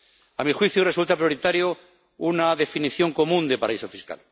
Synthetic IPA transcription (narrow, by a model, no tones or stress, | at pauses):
amixwiθjure̞sult̪apɾjo̞ɾit̪aɾjo | unaðe̞finiθjo̞ŋko̞mũnd̪epaɾaiso̞fiska̰l